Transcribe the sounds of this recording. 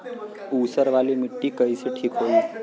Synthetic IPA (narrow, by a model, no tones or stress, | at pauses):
usəɾʋaliːmiʈːiːkəjseʈʰiːkɦoi